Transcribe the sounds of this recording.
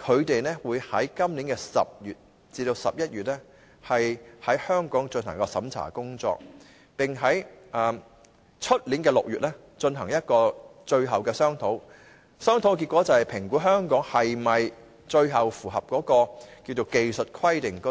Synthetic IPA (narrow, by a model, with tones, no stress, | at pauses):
kʰɵ˨˧ɥt̪e˨jnɛ˥wuː˨˧jhɐ˨˥jkɐ˥mliː˨˥nkɛ˧sɐ̰˨p̚jyː˨t̚ | t͡siː˧t̪o˧wsɐ˨p̚jɐ˥t̚jyː˨t̚lɛ˥ | hɐ˨jhɐ˨˥jhœː˥ŋkɔː˨˥ŋt͡snhɐ˨˩ŋkɔː˧sɐ̰˨˥mt͡sʰa̰ː˨˩kʊ˥ŋt͡sɔ̰ː˧k̚ | pɪ˨ŋɦɐ˨˥jʔɐː˨m | t͡ʃʰɵ˥t̚liː˨˥nkɛː˧lʊ˨k̚jyː˨t̚lɛː˥ | t͡ʃɵ˧nɦɐ˨˩ŋjɐ˥t̚kɔː˧t͡ʃɵ˧ɥɦɐ˨˩wkɛː˧sœː˥ŋt̪ʰo˨˥w | sœː˥ŋt̪ʰo˨˥wki˧t̚kʷːɔ˨˥t͡sɐ˨whɐ˨˩jpʰɪ˨˩ŋkuː˨˥ɦœː˥ŋkɔː˨˥ŋhɐ˨jmɐ˨j | t͡ʃɵ˧ɥɦɐ˨wfuː˨˩ɦɐ˨p̚kɔː˨˥kɔː˧ki˧wt͡so˨wke˨jsɵ˨t̚kʰwɐ˥jt̪ɪ˨˩ŋkː